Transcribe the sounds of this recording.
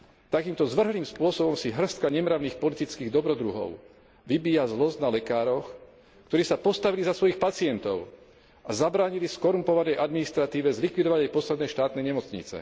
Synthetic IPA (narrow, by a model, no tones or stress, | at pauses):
t̪akiːmt̪ɔzʋr̩ɦliːmspʊɔsɔbɔmsiɦr̩st̪̚kaɲɛmɾaʊniːxpɔlit̪it͡skiːɣd̪ɔbɾɔd̪ɾuɦɔ̰ʊ | ʋibiːjazlɔznalɛkaːɾɔx | kt̪ɔɾiːsapɔst̪aʋilizasʋɔjixpat͡siɛnt̪ɔʊ | azabɾaːɲiliskɔɾumpɔʋanɛjʔad̪minist̪ɾat̪iːʋɛzlikʋid̪ɔʋaɟajpɔslɛd̪nɛʃt̪aːt̪nɛɲɛmɔt͡sɲḭt͡sɛ̰